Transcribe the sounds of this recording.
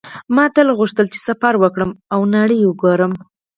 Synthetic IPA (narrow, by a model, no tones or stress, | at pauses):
mɑt̪əlɣuʂt̪əlt͡ʃe̥safaɾwəkɽəmawnaɽəjwəɡoɾəm